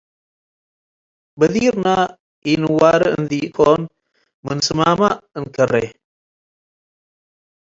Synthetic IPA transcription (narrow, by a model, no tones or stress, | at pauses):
bɐðiːɾna | iːnɨwaːɾəɨ̰ɨnd̪iːkʰoːn | mɨnsɨmaːmaɨnkɐrːe